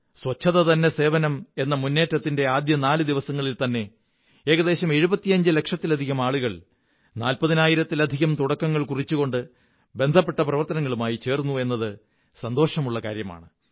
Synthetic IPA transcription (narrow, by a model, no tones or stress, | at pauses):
sʋɐt͡ɕʰːɐðɐt̪ɐnːese̞ːʋɐnɐme̞nːɐmunːe̞ːʈːɐt̪ːinde̞aːd̪jɐnaːlɨd̪iʋɐsɐŋːɐɭilt̪ɐnːe̞ | eːɣɐðe̞ːɕɐme̞ɻubɐt̪ːijɐɲd͡ʑɨle̞kʂɐt̪ːilɐd̪ʱiɣɐmaːɭuɣɐɭ | naːlpɐðinaːjiɾɐt̪ːilɐd̪ʱiɣɐmt̪uɽɐkːɐŋːɐɭkurit͡ɕːuɣo̞ɳɖɨ | be̞nd̪ʱɐpːeʈːɐprɐʋɐrt̪ɐnɐŋːɐɭumaːjit͡ɕe̞ːrnːue̞nːɐðɨ | sɐnd̪o̞ːʂɐmuɭːɐka̰ːɾjɐma̰ːɳɨ